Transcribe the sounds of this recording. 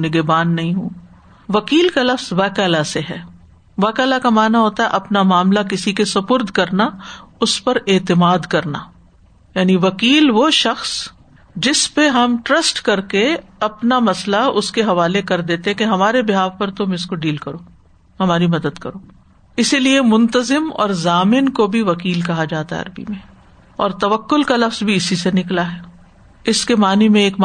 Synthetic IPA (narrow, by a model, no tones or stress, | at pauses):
nɪɡebaːnːɐɦĩɦũː | ʋɐkiːlkalɐfzʋaːkɛːlaseɦɛː | ʋaːkɛːlakamaːnaɦoːt̪aɦɛ̰ʔɐpnamaːmlak̬ɪsikesɐpʊɾd̪ʱkɐɾnaʊspɐɾeːt̪ɪmaːd̪kɐɾnaː | jaːniʋɐkiːlʋoʃɐxs | d͡ʒɪspeɦɐmʈɾɐsʈkɐɾkeɐpnamɐslaʊskeɦɐʋaːlekɐɾd̪eːt̪ẽɦɛ̃keɦɐmaːɾebɪɦaːʋpɐɾt̪omʊskoɖiːlkɐɾoː | hɐmaːɾimɐd̪əd̪kɐɾoː | ɪsiliemʊ̃nt̪əzɪmɔ̰ːɾzaːmɪnkobʱiʋɐkiːlkɐɦad͡ʒaːt̪aɦɛ̰ɐ̰ɾbḭmẽ | ɔːɾt̪ɐʋəkːʊlkalɐfzbʱiɪsisenɪklaɦɛː | ɪskemaːnimẽeːkm